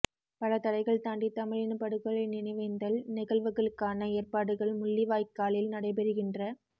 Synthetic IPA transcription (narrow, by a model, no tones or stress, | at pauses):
pɐlɐt̪ɐɽɐɪɣɐɭt̪aːɳɖit̪ːɐmɪɻɪnɐpɐɽɯɣɐɭɐɪnɪnɐɪʋɐɪnd̪ɐlnɪɣɐɭʋɯɣɐɭɯkːaːnɐeːrpaːɽɯɣɐɭmʊɭːiʋaːjkːaːɭɪlnɐɽɐɪp̬ɛɾɯɣɪndrɐ